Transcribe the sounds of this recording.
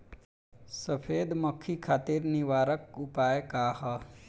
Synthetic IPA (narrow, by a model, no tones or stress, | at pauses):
səpʰeːd̪məkʰːikʰaːt̪iːɾniʋaːɾək̚ʊpaːjkaːhə